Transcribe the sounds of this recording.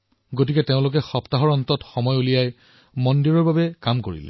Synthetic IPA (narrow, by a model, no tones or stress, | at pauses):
ɡotikɛteʊ̃lʊk̬ɛxɔptaɦɔɹɔntɔtxɔmɔjulijaj | mɔndiɹɔɹbabɛkamkoɹḭlɛ̰